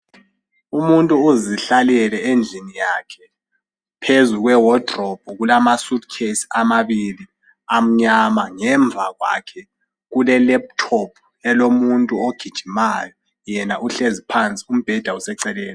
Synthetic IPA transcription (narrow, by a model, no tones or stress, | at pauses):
umuntʼuːziɬalɛlɛʔend͡ɮʱinijakʰɛ | pʰezuɣwɛwɔd̥ʱrɔb̥ʱɔɣulamasud̚kʰesi̥amaβili | am̩ɲamaŋɛɱb̪vʱaɣwa̰kʰɛ | ɣulɛlɛp̚tʰɔpʰ | ɛlomuntʼuoɡ̥ʱid̥ʒ̥ʱimajɔ | jɛnaʔuɬezipʰant͡sʼi̥um̩b̥ʱɛd̥ʱausɛǀɛlɛːlɔ